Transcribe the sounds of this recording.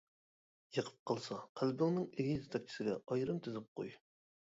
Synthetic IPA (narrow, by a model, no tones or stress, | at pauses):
jɨqʰə̥p̚qʰɑlˠsɑqʰælbɪŋnɪŋeɡʲizt̪ʰɑk̚ʲt͡ʃʰi̥sɪɡʲɛʔɑjɾɨmt̪ʰyzɪp̚qʰo̰j